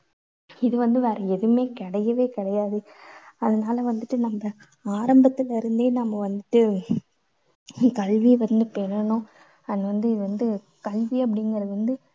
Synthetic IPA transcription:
ɪðɯʋɐnd̪ɯʋɛːɾɐɛðɯmeːkɪɽɐjɐʋeːkɪɽɐjaːðɯɐðɐnaːlɐʋɐnd̪ɯʈːɯnɐmːɐ | aːɾɐmbɐt̪ːɪlɪɾɯnd̪eːnɐmːɐʋɐnd̪ɯʈːɯ | kɐɭʋiʋɐnd̪ɯpɛɾɐɳʊ̃ | ɐnːɐʋɐnd̪ɯɪðɯʋɐnd̪ɯ | kɐɭʋiɐp̬ːɐɽɪŋɡɐɾɐðɯʋɐnd̪ɯ

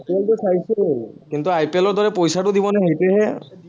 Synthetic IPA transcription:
peltusajsʊkint̪uajpelɔɹd̪ʱɔɹɛpojsatʊd̪ibɔnaɦejtɛɦɛ

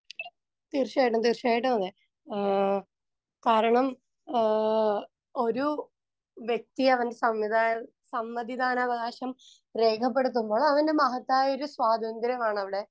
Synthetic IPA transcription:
t̪irɕaːjiʈːumt̪irɕaːjiʈ̬ːumɐðe | kaːɾɐɳɐm | o̞ɾu | ʋjek̚t̪iɐʋɐnde̞sɐmʋiaː | sɐmːɐðid̪aːnɐʋɐɣaːɕɐm | re̞ːkʰɐp̬ːe̞ɽut̪̬ːumbo̞ːɭɐʋɐnde̞mɐɦɐt̪ːaːjo̞ɾuswaːd̪ʱɐnd̪ɾɐmaːɳɐʋiɽe̞

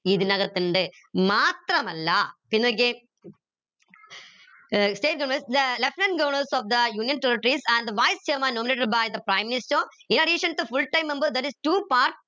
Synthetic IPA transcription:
iðɨnɐɣɐt̪ːɨɳɖɨ | maːt̪rɐmɐlːɐpinːok̬ʲːɨ | sʈeːʈ̚ɡɐmɐsd̪ɐlɐfnɐ̃nɡoːɳɐɾsɔfd̪ɐjuːnijɐ̃nt̪eːɾiʈːɾisɐ̃nɖd̪ɐʋajst͡ɕɐːmaːnoːmineːʈɐɖ̚bajd̪ɐpɾaːjmːinistoːinɐɖiːʂɐnt̪ːɨfulʈɐjmemboːd̪ɐʈistuːpaːɾʈ̚

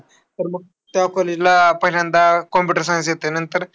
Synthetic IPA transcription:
t̪əɾməɡ̚ | t̪jakɔled͡ʑlapɐɦilənd̪akɔmpiʈəɾsãs̬jet̪enənt̪əɾ

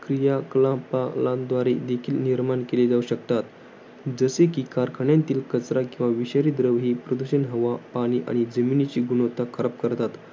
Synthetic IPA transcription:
kɾijakəlãpalãd̪ʋaɾed̪ekʰiːlniɾmaɳkeled͡zauɕəkt̪at̪ | d͡zəsekiːkaɾkʰəɳjãnt̪iːlkət͡sɾakĩw̃ʋaʋiɕaɾiːd̪ɾəʋɦiːpɾəd̪uɕənɦəʋapaɽ̃iːʔa̰ɽ̃id͡zəminit͡ɕiːɡunot̪akʰəɾəp̚kəɾt̪at̪

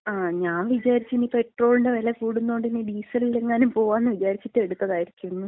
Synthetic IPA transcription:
aːɲaːnʋid͡ʑaːɾit͡ɕːɨniːpe̞ʈro̞ːlinde̞ʋɐlekuːɽunːo̞ːɳɖiniːɖiːsɐlile̞ŋːaːnumpo̞ːʋaːnːɨʋid͡ʑaːɾit͡ɕːitːɨe̞ɽut̪ːɐðaːjiɾikʲːunːu

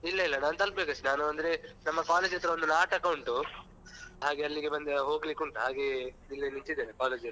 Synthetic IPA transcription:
ilːɐilːɐnaːnut̪ɐlpbeːkɐsʈinaːnuɐnd̪ɾenɐmːɐkaːleːd͡ʒijɐt̪ɾɐond̪unaːʈɐkɐwuɳʈu | ɦaːɡeɐlːiɡe̞bɐnd̪eɦo̞ːɡlikuɳʈuɦaːɡe | ilːiniɲt͡ʃid̪eːnɐkaːled͡ʒiɐt̪

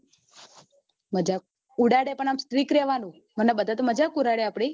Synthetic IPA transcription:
məd͡ʒak̚ | uɽaɽepəɳamst̪ɾikɾɛʋanũ | mənabəd̪ʱat̪oməd͡ʒakuɾaɽeapɽ̃i

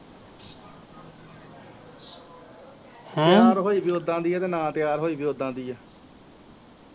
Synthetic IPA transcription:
h̪jaːɾɦoːiːbiːod̪ãːnd̪iːɛːt̪ẽːnãːt̪ɪjaːɾɦoːiːbiːod̪ãːnd̪iːɛː

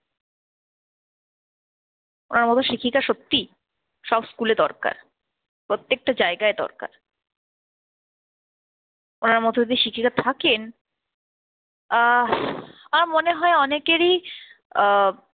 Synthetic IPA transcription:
onaɾmɔt̪ʰoʃikʰikaʃot̪ːi | ʃɔbskuleɾd̪ɔ̰ɾka̰ɾ | pɾot̪ːek̚ʈad͡ʑaeɡaed̪ɔ̰ɾka̰ɾ | onaɾmɔt̪ʰod̪id̪iʃikʰikat̪ʰaken | aɾmoneɦɔeɔnekeɾi

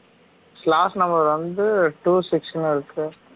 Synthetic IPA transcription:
slaːsnɐmbɐɾʋɐnd̪ɯʈuːsɪksnɪɾɯkːɯ

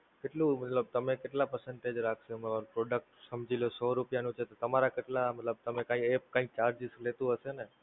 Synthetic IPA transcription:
keʈlũmət̪ləb̚t̪əmekeʈlapəɾsɛɳʈed͡ʒɾakʰʃemaapɾɔɖək̚ʈsəmd͡ʒilosɔɾupjanũt͡ʃʰet̪ot̪əmaɾakeʈlamət̪ləb̚t̪əmekãiepkãik̚t͡ʃaɾd͡ʒislet̪ũɦəʃene

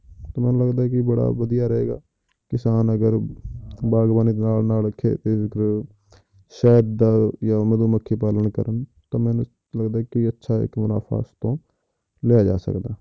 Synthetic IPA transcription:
t̪oːmɛːnũːləɡd̪aːɦɛkɪbəɽa̰ːʋəd̪ɪjaːɾəɦḛːɡa̰ː | kɪsaːnəɡəɾ | baːɡbaːniːd̪eːnaːlnaːlkʰḛːt̪eːɪkəɾ | ʃɛːɾd̪aːjaːməd̪uːməkʰːeːpaːlənkəɾən | t̪aːmɛːnu | ləɡd̪aːɦɛkɪətːʃʰaːɪ̰kmʊna̰ːfʰa̰ːst̪õː | lejaːd͡ʒa̰ːsə̰kd̪aː

